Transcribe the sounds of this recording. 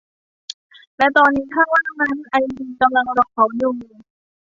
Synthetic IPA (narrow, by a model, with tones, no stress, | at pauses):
lɛ˦˥wt̪ɔː˧nːiː˦˥t̪ʰaː˥˩waː˥˩t̪ʰmnaː˧˥n˨˩ʔa˧jmi˧˩ka˧mla˧ŋɾɔ˧˥k̚ʰɔ˩˦˥juː˨˧˩nɯː˧˩